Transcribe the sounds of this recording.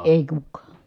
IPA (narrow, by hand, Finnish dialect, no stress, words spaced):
eˑi kukːɑː